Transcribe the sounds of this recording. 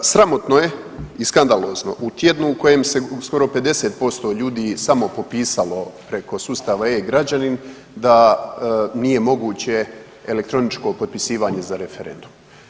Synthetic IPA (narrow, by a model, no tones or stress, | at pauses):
sɾamo̞t̪noje̞iskand̪alˠo̞ːzno̞̰ʔut̪je̞d̪nuːko̞jemsesko̞ɾo̞pe̞d̪e̞set̪̚po̞st̪o̞ʎuːd̪iːsamo̞po̞piːsalo̞pɾe̞ko̞suːst̪aːʋaeɡɾad͡ʑanin | d̪a | nije̞mo̞ɡuːt͡ɕe̞ | ele̞kt̪ɾo̞nit͡ʃko̞pot̪̚pisiːʋaɲe̞zaɾe̞fe̞ɾe̞̰nd̪um